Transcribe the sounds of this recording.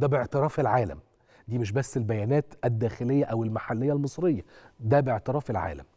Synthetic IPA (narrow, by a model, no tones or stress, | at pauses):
d̪æbeʕt̪eɾˤɑːfelʕaːlæ̰m | d̪iːmeʃ̬bæsːelbæjæːnæːt̪æd̪ːæːxelejːæʔæwelmaħalːɪjːælmɨsˤɾejːæd̪æbeʕt̪eɾɑːfelʕa̰ːlæ̰m